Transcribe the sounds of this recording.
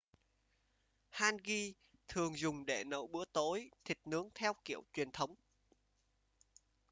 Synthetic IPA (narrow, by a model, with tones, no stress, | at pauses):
haː˧nɣi˧ | t̪ʰɨ˨˩əŋzʊ˨˩ŋ͡mɗe˧˩nə̰˧˩wɓɨ̰˧˥ət̪o˨˦jt̪ʰï˨˩k̚nɨ˨˦əŋt̪ʰɛ˧wkḭ˧˩˨əwt͡ɕwi˨˩ənt̪ʰə˨˦wŋ͡m